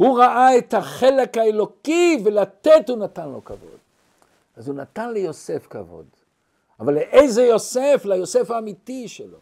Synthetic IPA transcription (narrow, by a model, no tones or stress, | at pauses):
huʁaʔaet̪haχelekhaelo̞kivelat̪etunat̪anlo̞ka̰vo̞̰d̪̥ | azunat̪anlejo̞sefka̰vo̞̰d | avalːeʔejzejo̞seflajo̞sefaːmit̪iʃelo̞̰